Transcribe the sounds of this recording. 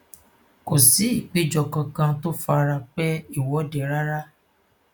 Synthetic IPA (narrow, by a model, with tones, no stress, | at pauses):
ko˨si˨˦i˦˨k͡pi˨˦d͡ʒɔ˧kã˧kã˧to˦fa˧ɾa˧k͡pɛ˦i˦˨wɔ˨˦dɛ˨ɾa˦ɾa˦